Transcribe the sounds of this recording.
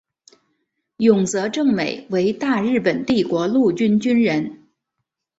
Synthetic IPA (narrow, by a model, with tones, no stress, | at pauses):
jʊ˨˩ŋt͡sɤ˧˥ʈ͡ʂɤ˥˩ŋme˨˩ɪwe˧˥ɪt̪a˥˧ɻɻ̩˥˩pə˨˩nt̪i˥˩kwɔ˧˥lu˥˩t͡ɕy˥nt͡ɕy˥nɻə˧˥n